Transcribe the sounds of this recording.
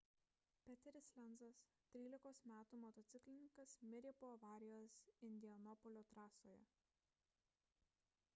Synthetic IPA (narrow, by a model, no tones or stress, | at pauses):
pʲɛt̪ʲɛɾʲɪsʲlʲɛnzɐs | t̪ʲɾʲiːlʲɪkoːsmʲæːt̪uːmoːt̪ɔt̪sʲɪklʲɪnʲɪŋkɐsmʲɪɾʲeːpoːɐʋɑːɾʲɪjoːsɪnʲd̪ʲɪɐnɔpɔlʲoːt̪ɾɑːsoːjɛ̰